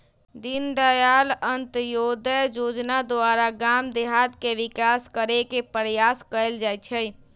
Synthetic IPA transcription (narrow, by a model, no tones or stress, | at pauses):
d̪ind̪əjalənt̪jod̪əd͡ʒod͡ʒnad̪aɾaɡamd̪eɦat̪keʋikaskəɾekepɾjaskəeld͡ʒajt͡ʃʰəj